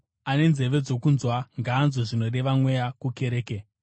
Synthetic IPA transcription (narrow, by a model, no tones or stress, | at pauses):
ane̞nze̞ʋe̞d͡zo̞kunzwaŋɡaːnzoʐino̞ɗe̞ʋamwe̞jakuke̞ɾeːke